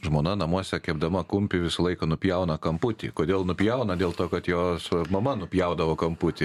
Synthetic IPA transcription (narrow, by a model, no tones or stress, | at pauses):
ʒmoːnɐnɐmuɔsʲɛkʲɛbd̪ɐmɐkʊmʲpʲɪʋʲɪsɐlˠɐɪkɐnʊpʲjɛʊnɐkɐmpʊt̪ʲɪ̰koːd̪ʲeːlˠnʊpʲjɛʊnɐd̪ʲeːlˠt̪oːkɐt̪joːsmɐmɐnʊpʲjɛʊd̪ɐʋoːkɐmpʊt̪ʲɪ